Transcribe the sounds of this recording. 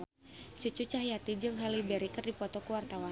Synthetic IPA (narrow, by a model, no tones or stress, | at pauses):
t͡ʃut͡ʃut͡ʃaɦjat̪id͡ʒɨŋɦalibɛɾikɨrdipɔt̪ɔkəwart̪awa